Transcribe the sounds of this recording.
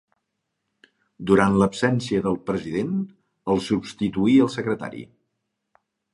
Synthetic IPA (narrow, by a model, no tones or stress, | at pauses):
d̪uɾant̪ləpsɛnsiəðəlˠpɾəziðen | əlˠsupst̪it̪uiəlˠsəkɾət̪a̰ɾḭ